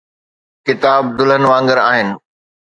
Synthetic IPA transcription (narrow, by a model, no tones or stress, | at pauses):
kɪt̪aːb̚d̪ʊlənʋãːŋɡəɾaːɦɪnɪ̆